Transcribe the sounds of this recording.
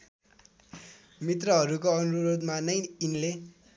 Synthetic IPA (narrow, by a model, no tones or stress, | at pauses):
mit̪rʌɦʌɾukoʌnuɾod̪manʌjinle